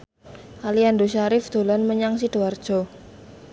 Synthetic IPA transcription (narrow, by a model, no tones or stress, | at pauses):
ʔaliandoʃaɾɪfd̪̥o̤lanməɲaŋs̬id̥oard̥ʒ̥ɔ̤